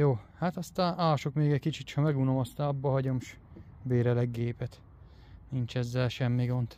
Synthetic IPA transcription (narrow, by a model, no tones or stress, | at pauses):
joːhat̪ɒst̪aːnʔaːʃokmeːɡɛckit͡ʃit̪t͡ʃʰɒmɛɡunomɒst̪aːnɒbːɒɦɒɟomʃ | beːɾɛlɛɡːeːpɛt̪ | nint͡ʃɛzːɛlʃɛmːiɡo̞nt̪